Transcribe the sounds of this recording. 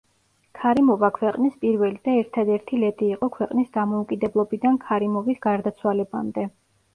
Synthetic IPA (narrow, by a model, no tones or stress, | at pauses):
kʰaɾimɔvakʰwɛqʼnispʼiɾvɛlid̪aɛɾt̪ʰad̪ɛɾt̪ʰilɛt̪ʼiːqʼɔkʰwɛqʼnisd̪amɔukʼid̪ɛblˠɔbid̪ankʰaɾimɔvisɡaɾd̪at̪sʰwalɛba̰md̪ɛ